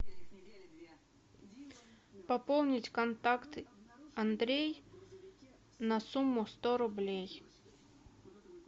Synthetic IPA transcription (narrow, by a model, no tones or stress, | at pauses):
pɐpolˠnʲɪtʲkɐnt̪akt̪ɐnd̪ɾʲej | nɐsumːʊst̪oɾʊblʲej